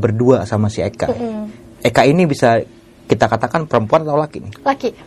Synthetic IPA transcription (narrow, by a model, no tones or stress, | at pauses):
bərduasamasieka̰ | ekainibisa | kit̪akat̪akanpəɾəmpuant̪aulakinɪhlaɡi